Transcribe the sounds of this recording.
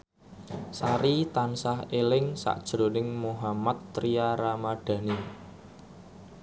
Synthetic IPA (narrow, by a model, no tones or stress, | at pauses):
saɾit̪ansaɦelɪŋsa̰ʔd̥ʒ̥ɾonɪŋmoɦamat̪ːɾiaɾamaɖ̥ä̤ni